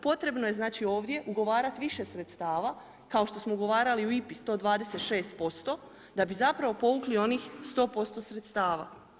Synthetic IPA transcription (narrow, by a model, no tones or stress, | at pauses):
po̞t̪ɾe̞bno̞je̞znaːt͡ʃio̞ːʋd̪je̞ʔuɡo̞ʋaːɾat̪iʋiʃe̞sɾet̪st̪aːʋa | kao̞ʃt̪o̞smouɡo̞ʋaːɾaliuipist̪o̞ːd̪ʋaːd̪e̞se̞t̪ʃe̞ːst̪̚po̞st̪o̞ | d̪abizapɾaʋopo̞ʋuklio̞niːxst̪o̞ːpo̞st̪o̞sɾet̪st̪aːʋa̰